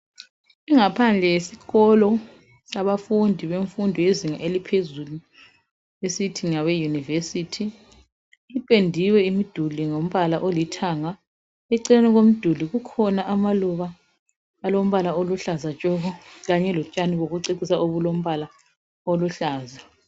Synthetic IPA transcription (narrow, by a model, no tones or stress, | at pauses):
iŋapʰand͡ɮʱɛjesiɣɔlɔ | saβafundʱiβeɱfundʱɔjeziŋaʔelipʰezulu | esitʰiŋawɛjunivesitʰi | ipʼendʱiwɛimid̥ʱuliŋom̩βalaʔolitʰaŋa | ɛǀɛnɛɣom̩d̥ʱuliɣukʰɔnaʔamaluβaː | lom̩βalaoluɬazat͡ʃʼɔɣɔɣaɲɛlɔt͡ʃʼaniɣoɣuǀiǀisaʔoβulom̩βala | oluɬaːza